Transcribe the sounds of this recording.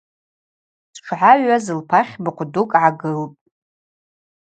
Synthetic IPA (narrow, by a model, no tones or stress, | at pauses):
sʈ͡ʂʷʰʕaɥazɨlpʰaχʲbɨqʷʰʼdukʼʕaɡɨlpʼ